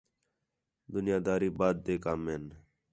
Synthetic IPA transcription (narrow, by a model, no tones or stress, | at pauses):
d̪ʊnɪjaːd̪aːɾiːbaːd̪̚ːeːkaːmeːn